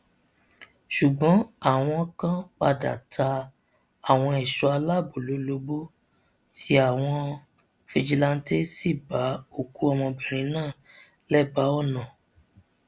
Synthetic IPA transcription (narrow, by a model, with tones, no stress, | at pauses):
ʃu˨ɡ͡bɔ̃˨˦a˦˨w̃ɔ̃˧ɔ˧kã˦k͡pa˧da̰˨tʰa˧ | a˨w̃ɔ̃˧ɛ˨ʃɔ˨˧a˧la˦˨bo˨lo˨˦lo˧bo˦ | ti˦a˨w̃ɔ̃˧ | fe˧d͡ʒi˧la˧n̩˦te˦si˦˨ba˨˦o˦˨ku˨˦ɔ˧mɔ̃˧bi˨ɾ̃ĩ˨˦nãː˦˨ | lɛ˦˨ba˨˦ɔ˦˨nã˨